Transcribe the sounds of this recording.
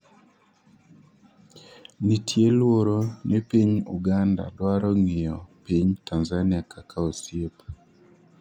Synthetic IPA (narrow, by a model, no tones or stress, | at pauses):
nitʰjelwoɾonipiɲṵɡanda̰dwaɾɔŋijɔpiɲtanzanɪakʰakʰaosjep